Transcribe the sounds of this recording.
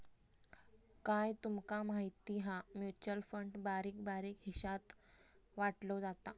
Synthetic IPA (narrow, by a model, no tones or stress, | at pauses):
kajt̪umkamaɦit̪iɦamjut͡ɕəlfəɳɖbaɾiːkbaɾiːkɦiɕat̪ʋaʈlod͡zat̪a